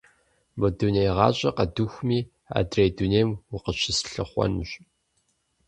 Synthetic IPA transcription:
bɔdunejʁɑ̰ːɕʼɐqɐduxʷmiː | a̰ːdrejduneːmwʊqəɕʰɪsɬɨ̰χʷɔ̰nɕ

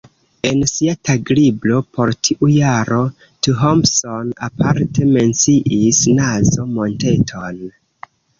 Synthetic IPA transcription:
e̞nsiatʰaɡɾiblo̞pʰo̞ɾtʰiʔujaɾo̞ | tuɦomsonapʰaɾte̞me̞nt͡siʔisnazo̞mo̞nte̞tʰo̞n

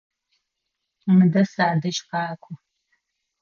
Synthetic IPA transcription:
mɨdɐsaːdɐʃqɑːkʷʰʊ

